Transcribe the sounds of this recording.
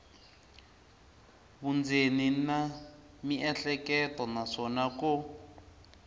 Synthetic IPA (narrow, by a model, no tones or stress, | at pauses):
βund͡zʱenina | miʔɛɬɛkɛtɔnaʂɔnaku